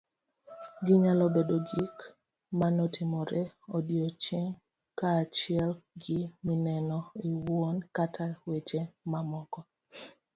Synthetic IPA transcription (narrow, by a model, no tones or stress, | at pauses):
ɡɪɲalɔbedoɡik | manɔtʰimɔɾeodjot͡ʃeŋ | kaːt͡ʃɪɛlɡɪminɛnɔiwonkatʰawet͡ʃemamɔkɔ